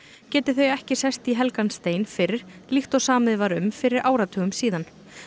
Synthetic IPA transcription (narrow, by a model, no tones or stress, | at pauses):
cɛːt̪ɪθœɥjɛhcɪsɛst̪iɦɛlkanst̪eːjnfɪɾɪɾ̥lixt̪ɔsaːmɪðvaɾʏmfɪɾɪɾʔaːwɾat̪ʰœːɣʏmsiːðan